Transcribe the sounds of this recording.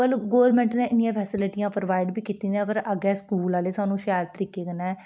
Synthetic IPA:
əlɡoːɾmɛ̃ːɳʈneːʔɪnɪjãːpʰɛːsɪlɪʈijãːpɾoʋaːɪɖbiːkiːt̪ĩːd̪ɡəɾəɡɛːskuːlaːleːsaːnũːʃɛːɾt̪əɾiːkeːkənɛː

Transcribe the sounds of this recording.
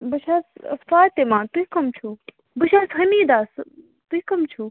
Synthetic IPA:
bɐʃaːsɐ̰sfaːt̪emãːt̪uikɐmt͡ʃʰu | bɐʃaːsɦɐniːd̪aːs | t̪uikɐmt͡ʃʰu

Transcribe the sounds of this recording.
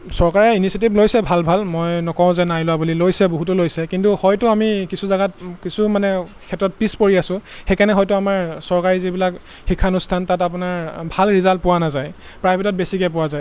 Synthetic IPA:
sɔɹkaɹɛinisiet̬iblojsɛbʱalbʱalmojnɔkɔʊ̃zɛnajlʊabulilojsɛboɦutʊlojsɛkintuhɔjtʊamikisʰuzaɡatkisumanɛ | kʰɛtːɹɔt̚pispoɹiasʊ̃xɛkanɛɦɔjtʊamaɹsɔɹkaɹizibilak | xikʰːanustʰantatapʊnaɹbʱalɹizalt̚pʊwanazaj | pɹajbʱitɔt̚besikɛpʊwazaj

